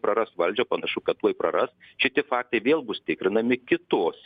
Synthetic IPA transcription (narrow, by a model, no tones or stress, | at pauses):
pɾɐɾɐsʋɐlʲd͡ʒʲoːpɐnɐʃʊkɐt̪tuɔjpɾɐɾɐsʃʲɪt̪ʲɪfɑːk̚t̪ɐɪʋʲeːlˠbʊst̪ʲɪkɾʲɪnɐmʲɪkʲɪt̪oːsʲ